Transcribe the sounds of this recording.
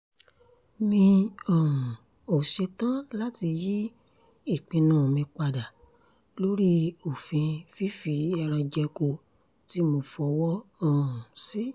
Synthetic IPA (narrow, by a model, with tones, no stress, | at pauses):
mĩ˧ɔ˨ũ˨ | o˨ʃe˧tã˦la˦ti˧ji˦ | i˦˨k͡pĩ˧nã˨mĩ˧k͡pa˧da˨ | lo˦ɾi˦o˨fĩ˧fi˦fi˨˦ɛ˧ɾ̃ã˧d͡ʒɛ˧ko˧ | ti˦mo˧˦fɔ˧wɔ˦ɔ˦˨ũ˨si˦